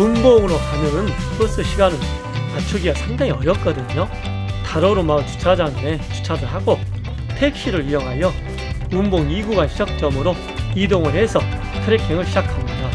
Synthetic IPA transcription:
umboŋɯɾokanɯnk͈ɯs͈ɯɕʰiɡanɯn | at͡ɕʰuɡiɡasʰaŋdaŋiʌɾjʌp̚k͈ʌdɯɲo | taɾoɾomaɯnt͡ɕu̥t͡ɕʰad͡ʑaŋmet͡ɕu̥t͡ɕʰadɯɭɦaɡo | tʰe̞k̚ɕ͈iɾɯɾijʌŋɦajʌ | umboŋiɡuɡanɕʰid͡ʑak̚t͡ɕ͈ʌmɯɾo | idoŋɯɭhe̞sʰʌ | tʰɯɾekʰiŋɯɭɕʰid͡ʑakʰamida

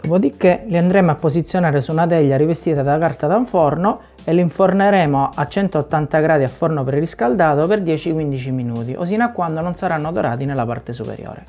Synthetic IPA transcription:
d̪̥opod̪ikːeliand̪ɾeːmoapːosit̪sːjonaːɾesunat̪ɛʎːaɾivest̪iːt̪ad̪akart̪ad̪auɱfɔrno | elːiiɱforneɾɛːmoʔat͡ʃːɛnt̪oːt̪ːant̪aɡɾaːd̪iafːɔrnopɾriskald̪aːt̪operd̪jɛːt͡ʃikwind̪it͡ʃiminuːt̪iʔo̰s̬iːnakːwand̪ononsaɾanːod̪oɾa̰ːt̪inelapa̰rt̪esupḛɾjo̰ːɾḛ

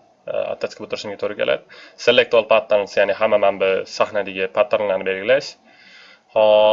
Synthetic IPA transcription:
a̰t̪ʰːat͡ʃkʰɪbot̪ʊɾɪʃɪmɡʲat̪ʰoɾɪkʰʲe̞̰lʔa̰d̪se̞lːekt̪ualˠpʰat̪ʰːaɾnsjanɪɦamːamanbɪsahnad̪ɪɡʲɪpʰat̪ʰːaɾnlaɾnɪbe̞lɡʲɪlaʃ | hɒ

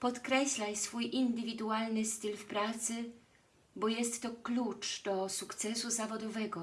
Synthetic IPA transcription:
pɔt̪kɾɛɕlajsfujʔind̪ɘvʲid̪ualnɘst̪ɘlfpɾat̪sɘ | bɔjɛst̪ːɔklut͡ʂd̪̥ɔsukt̪sɛsuzavɔd̪ɔvɛɡɔ

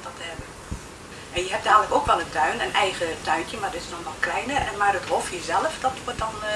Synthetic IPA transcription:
dɔtɛbə | ɛnjəɦɛp̚daːələkoːkʋɛlˠəntʰœɥnənɛjɣətʰœɥntjəmardɪtɪ̥snɔxmɔlˠklɛjnəɛmardəthofjəzɛlˠəfd̥ɔtʋot̚dɔn

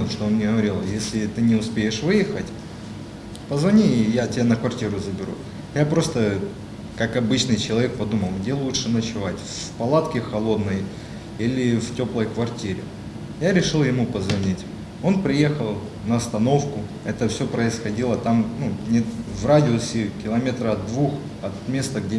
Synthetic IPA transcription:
ʂt̪oonnʲɪɦəvɐɾʲilˠjesʲlʲɪt̪ɨnʲɪʊspʲejɪʂvɨjɪxətʲ | pəzvɐnʲijatʲɪbʲanəkvɐrtʲiɾʊzəbʲɪɾṵ | japɾo̞st̪ə | kakɐbɨt͡ɕnɨjt͡ɕɪlˠɐvʲe̞k̚pɐd̪uməlˠɡdʲe̞lˠutʂɨnət͡ɕɪvatʲfpɐlˠat̪kʲɪxɐlˠo̞d̪nəj | ilʲɪftʲo̞plˠəjkvɐrtʲiɾʲɪ̰ | jaɾʲɪʂɨlˠjɪmupəzvɐnʲitʲ | o̞npɾʲɪje̞xəlˠ | nəɐst̪ɐno̞fkʊ | ɛt̪əfsʲopɾəɪsxɐdʲilˠət̪amnunʲɪvradʲɪosʲɪkʲɪlˠɐmʲet̪ɾəɐd̪̚d̪vux | ɐt̪mʲe̞st̪əɡdʲe

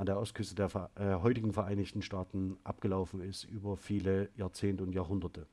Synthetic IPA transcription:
ʔandeːɐʔɔstkʰʏstədeːɐɦɔʏtɪɡŋ̩fɛɐʔaɪnɪçtn̩ʃtaːtn̩ʔapɡ̥əlaʊfn̩ɪstʔyːbɐfiːləjaːɐt͡seːntəʊntjaːɐɦʊndɐtʰə

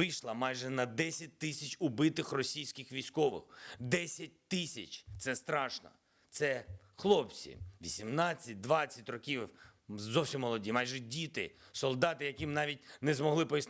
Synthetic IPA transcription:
ɪjʃlˠɐmɑjʒɛnɐd̪ɛsʲɐt̚ʲt̪ɪsʲɐt͡ʃʊbɪt̪ɪxrɔsʲijsʲkʲɪxʋʲijsʲkɔʋɪ̰xd̪ɛsʲɐt̚ʲt̪ɪsʲɐt͡ʃt̪sɛst̪ɾɑʃnɔ̰ | t̪sɛ | xlˠɔpt͡sʲḭʋʲisʲimnɑt͡sʲːɐt̚ʲd̪ʋɑt͡sʲːɐtʲrɔkʲiwzɔwsʲimːɔlˠɔdʲimɑjʒɛdʲit̪ɪ̰ | sɔlˠd̪ɑt̪ɪjɐkʲimnɑʋʲit̚ʲnɛzmɔɦlˠɪpɔjis

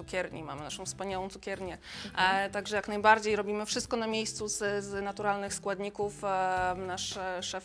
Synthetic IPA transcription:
ukʲɛɾɲḭma̰mɘna̰ʂɔ̃w̃fspaɲawɔ̃t̪sukʲɛɾɲɛ | t̪aɡʐɛjaknajbaɾd͡ʑejɾɔbʲimɘfʂɘst̪̚kɔnamʲjejst̪suzznat̪uɾalnɘxskwad̪ɲikufnaʂʂɛf

